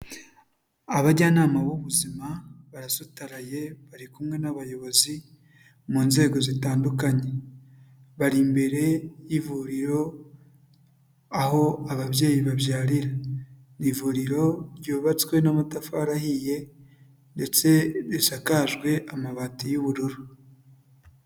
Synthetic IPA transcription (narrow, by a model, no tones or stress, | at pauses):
aβaɟanaːmaβuβuzimaβaɾasutaɾaje̞βaɾikumŋe̞naβajo̞βo̞zi | muːnze̞ːɡo̞zitaːndukaɲe̞ | βaɾimbe̞ɾe̞jivuɾiɾo̞ | aho̞aβaβje̞ːjiβaβjaːɾiɾa | nivuɾiɾo̞ɾjoːβat͡swe̞namatafaɾahije̞ | nde̞t͡se̞ɾiʃakaʒɡwe̞ʔamaβatijuβuɾuɾu